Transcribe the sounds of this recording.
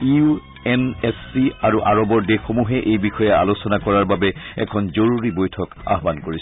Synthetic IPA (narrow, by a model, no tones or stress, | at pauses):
iu | ɛnɛsːiaɹuʔaɹɔbɔɹdexomuɦɛʔejbixɔjɛa̰losɔnakɔɹaɹbabɛɛ̰kʰɔnzoɹuɹibojtʰɔka̰ɦɔbankoɹis